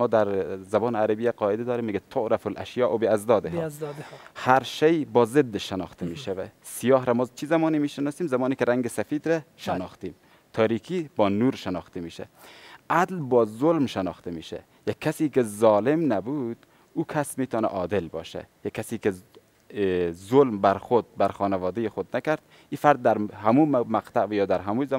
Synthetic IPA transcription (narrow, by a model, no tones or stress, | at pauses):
mɔːd̪æɾzæbɒːnæɾæbijæqɒːed̪ɛd̪ɔːɾiːmːiːɡɛt̪ʰoʔɾæfolʔæ̰ʃjɑːʔobeæzd̪ɒːd̪eh | hæɾʃejbɒːzed̪ːeʃenɒ̰xt̪ʰemiːʃævæ̰sijɒːɦɾæmɒːt͡ʃʰizæmɒːniːmiːʃenɑːsiːmzæmɒːnikeɾæŋɡesæfiːd̪ɾæʃenɒːxt̪iːm | t̪ʰɒːɾiːkʰiːbɒːnuːɾʃenɒːxt̪ʰemiːʃæ̰ʔæd̪lbɒːzolmʃenɒxt̪ʰemiːʃæ̰ | jækʰːæsiːkezɒːlemnæbud̪̥ | uːkʰæsmiːt̪ʰɒːnæ̰ʔɒːd̪elbɒ̰ːʃæ̰jækʰːæsiːke | zolmbæɾxod̪̚bæɾxɔːnævɒːd̪ejexod̪nækæɾd̪̥ | iːfæɾd̪ːæɾhæmumæqt̪ʰæʔvjɒːd̪æɾɦæmuz